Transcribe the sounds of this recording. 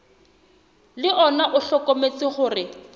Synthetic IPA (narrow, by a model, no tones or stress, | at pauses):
lɪɔnaʔʊɬɔkʼomet͡sɪχʊːrɪ